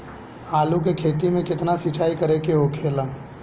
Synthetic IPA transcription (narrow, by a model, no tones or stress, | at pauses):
aːluk̬ekʰeːt̪imẽkɪt̪nasɪt͡ʃaːikɐɾekeɦokʰeːla